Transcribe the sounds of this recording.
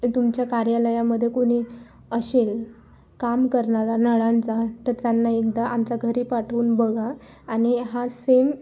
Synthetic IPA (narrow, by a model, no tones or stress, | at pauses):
t̪umt͡ɕjakaɾjaləjaməd̪ʱːjekoɽ̃iː | əɕel | kamkəɾɳaɾanəɭant͡sat̪əɾt̪janːaek̚d̪aʔamt͡saɡʱəɾiːpaʈʰuːnbəɡʱaː | ɽ̃iɦasem